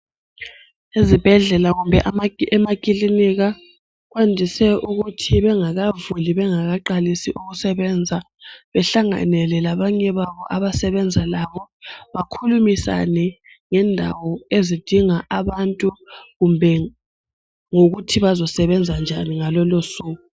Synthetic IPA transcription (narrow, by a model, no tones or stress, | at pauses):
ezib̥ʱɛɮɛlaɣumbʱɛʔmɛmakʼiliniɣa | ɣwendʱisɛʔuɣutʰiβɛŋaɣavuliβɛŋaɣaǃalisiʔuɣusɛβɛːnd͡zʱa | βɛɬaŋa̰nɛlɛlaβaɲɛβaβɔʔaβasɛβɛnd͡zʱalaβɔβakʰulumisa̰nɛ | ŋɛndʱa̰wɔezid̥ʱiŋaʔaβantʼuɣumbʱɛ | ŋoɣutʰiβazɔsɛβɛnd͡zʱand͡ʒʱaniŋalɔlosuːɣu